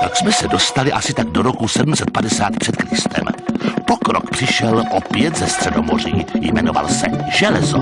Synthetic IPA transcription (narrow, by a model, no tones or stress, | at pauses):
ʔaksmɛsɛdo̞st̪alɪʔasɪt̪aɡ̚doɾokusɛdm̩sɛt̪̚padɛsaːt̪pr̥ɛt̪kɾɪst̪ɛ̰mpokɾo̰kpr̥ɪʃɛlʔopjɛt̪zɛst̪r̥ɛdo̞mo̞r̝iːjmɛ̰no̞va̰lsɛʒ̥ɛlɛzo